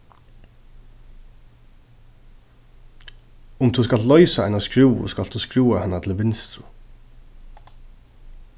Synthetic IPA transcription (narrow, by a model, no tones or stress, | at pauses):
ʊmt̪ʰuːskɑlt̪lœʏsaæ̰ɪnaskɾuːʊ̰skɑlt̪ʰuːskɾuːahɛnat̪ʰɪl̩ʋɪnst̪ɾʊ